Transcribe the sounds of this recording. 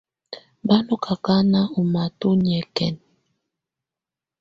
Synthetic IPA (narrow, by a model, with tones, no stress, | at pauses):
ba˦no˦kʰa˨ka˦na˦u˨ma˨tu˦ɲ˨ɛ˨kɛ˨n